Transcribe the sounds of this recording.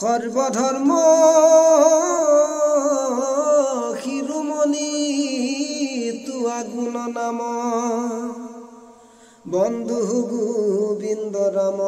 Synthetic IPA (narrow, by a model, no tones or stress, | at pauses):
kɔɾbɔd̪ʱɔɾmɔ | kʰiɾumɔni | t̪uaɡmunɔnamɔ | bɔnd̪uɦuɡubind̪ɔɾamɔ